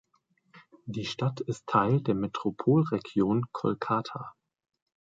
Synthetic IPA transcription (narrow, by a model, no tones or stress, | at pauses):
diːʃtatʰɪstʰːaɪldeːɐmetʁ̥opʰoːlʁeɡjoːnkʰɔ̰lkʰaːtʰa